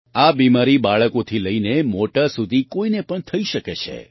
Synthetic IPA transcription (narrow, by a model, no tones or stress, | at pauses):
abimaɾibaɭəkot̪ʰiləinemoʈasud̪ʱikoinepəɳt̪ʰəiʃəket͡ʃʰḛ